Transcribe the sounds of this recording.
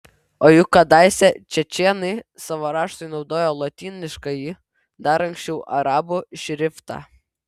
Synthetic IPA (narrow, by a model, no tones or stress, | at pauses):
oːjʊkːɐd̪ɑˑɪsʲɛt͡ʃʲɛt͡ʃʲeːnɐɪsɑʋoːɾɑːʃt̪ʊɪnɒʊd̪oːjoːlˠɔt̪ʲiːnʲɪʃkɐji | d̪ɐɾɐŋʲksʲt͡ʃʲɛʊʔɐɾɑːbuʃʲɾʲɪft̪ɑ̰